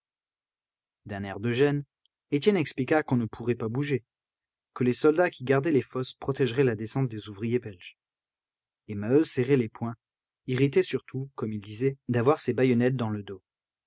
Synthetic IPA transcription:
d̪ɛ̃nɛʁd̪əʒɛn | et̪ʲjɛnɛksplikakɔ̃nəpʰuʁɛpabuʒe | kəlesɔld̪akʲiɡaʁd̪ɛlefɔspχɔt̪ɛʒʁɛlad̪esɑ̃t̪̚d̪ezuvʁijebɛlʒ | emaøseʁelepwɛ̃ | iʁit̪ɛsyʁt̪ʰukɔmild̪izɛd̪avwaʁsebajɔnɛt̪̚d̪ɑ̃ləd̪o

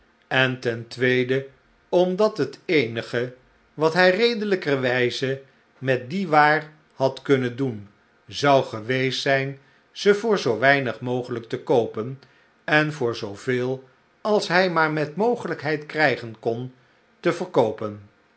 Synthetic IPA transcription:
ɛntɛntʋejdə | ɔmdɑtɦətejnəχə | ʋɑtɦɛjrejdələkəəʋɛjzə | mɛt̚diʋaːɹ | hɑtkɵnəndun | zɑwχəʋejsɛjn | z̥əvʊːɹzowʋɛjnəχmowχələk̚təkowpən | ɛnvʊːɹzowvɪːlˠ | ɑlˠsɦɛjmaːɹmɛtmowχələkɦɛjtkrɛjχənkɔn | təvəɹkowpən

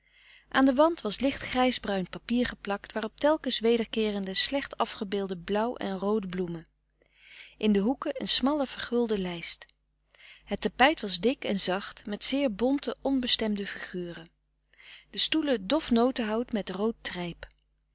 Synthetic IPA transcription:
ʔaːndəʋɑntʋɑslɪχtχrɛjzbrœɥnpapiːɹχəplɑktʋaːrɔp̚tɛlˠkənsʋejdəɹkɪːrəndəslɛχtɑfχəbɪːlˠdəblʌwʔɛ̰nrowdəblumə | ʔɪndəɦukəʔənsmɑləv̥əɹχɵlˠdəlɛjst | ɦətapɛjtʋɑzdɪkɛnzɑχtmɛtsɪːɹbɔntəʔɔnbəstɛmdəfiχyːrə | d̥əstulədɔfnowtəɦɑwtmɛtrowtrɛjp

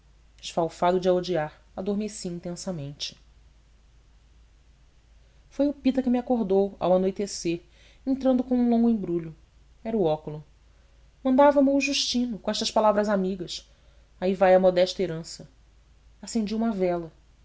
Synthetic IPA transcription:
d͡ʒɪʃfawfad̪ʊd͡ʒaod͡ʒiaɾ | ad̪oɾmesiĩnt̪ẽsɐmẽnt͡ʃɪ̥ | fojʊpit̪ɐkɪmakoɦd̪owa̰wanojt̪eseɾ | ẽnt̪ɾɐ̃nd̪ʊkõw̃ũlõŋɡʊẽbɾuʎʊ | ɛɾɐʊɔkʊlʊ | mɐ̃nd̪avɐmɪuʒuʃt͡ʃĩnʊkõɛʃt̪ɐʃpalavɾɐzamiɡɐs | aivajɐmɔd̪ɛʃt̪ɐeɾɐ̃sɐ | asẽnd͡ʒiũmɐvɛlɐ

